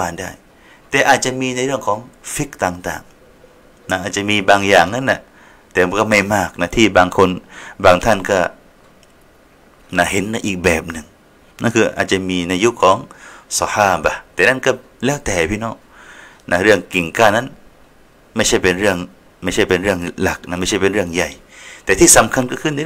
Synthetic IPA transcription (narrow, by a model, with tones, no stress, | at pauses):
waː˧ndaː˥˩j | t̪ɛː˨˩ʔaː˨˩t̪̚t͡ɕa˨miː˧na˧jɾɯ˥˩əŋkʰɔː˩˦ŋfi˦˥k̚t̪aː˨˩ŋt̪a̰ː˨˩ŋ | na˦˥ʔaː˨˩t̪̚t͡ɕa˨miː˧baː˧ŋjaː˨˩ŋna˦˥nʔa˧˩ | t̪ɛː˨˩˧kɔː˥˩ma˥˩jmaː˥˩k̚na˦˥t̪ʰiː˥˩baː˧ŋkʰo˧nbaː˧ŋt̪ʰa˥˩nkɔː˥˩ | na˧˥˩ɦe˨˦nːa˧˥ʔiː˨˩k̚bɛː˨˩p̚nɯ˨˩ŋ | na˥˨nkʰɯː˧ʔaː˨˩t̪̚t͡ɕa˨˧˨miː˧na˧ju˦˥kʰːɔː˨˦ŋsɔ˧haː˧˩ba˧t̪ɛː˨˩na˥˨nkɔː˥˩ | lɛː˦˥˩wt̪ɛː˨˩pʰiː˧˩nɔ˧˥˩ | nʔa˦˥ɾɯ˥˩əŋki˨˩ŋkaː˧˩na˧˥˨n | ma˥˩jt͡ɕʰa˥˩jpe˧nɾɯ˥˩əŋ | ma˥˩jt͡ɕʰa˥˩jpe˧nɾɯ˥˩əŋla˨˩k̚na˧˥˩ma˥˩jʰa˥˩jpe˧nɾɯ˥˩əŋja˨˩jt̪ɛː˨t̪ʰiː˥˩sa˨˦mkʰa˧nkɔː˥˩kʰɯ˥˩˨nda˧˥˨